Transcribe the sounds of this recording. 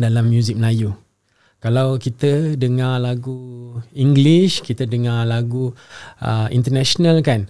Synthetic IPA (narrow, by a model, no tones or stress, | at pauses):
dalamːjuzik̚məlaju | kalawkit̪ədəŋalaɡuiŋɡliʃkit̪ədəŋalaɡuʔə̰ḭnt̪ənaʃonalkan